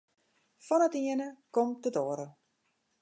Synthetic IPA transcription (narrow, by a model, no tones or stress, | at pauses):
fɔnətiənəkɔmtədoːəɾə